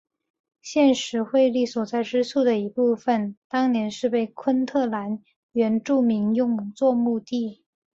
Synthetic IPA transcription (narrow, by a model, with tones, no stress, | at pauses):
ɕjɛ˥˩nʂɻ̩˧˥xwe˥˧ɪli˥˩swɔ˨˩t͡sa˥˩ɪʈ͡ʂɻ̩˥sʰu˥˩d̪ə˩i˧˥pu˥˩fə˩nt̪ɑ˥ŋnjɛ˧˥nʂɻ̩˥˧pe˥˩ɪkʰwə˥nt̪ʰɤ˥˩la˧˥n | ɥɛ˧˥nʈ͡ʂu˥˩mi˧˥ŋjʊ˥˧ŋt͡swɔ˥˧mu˥˧t̪i˥˩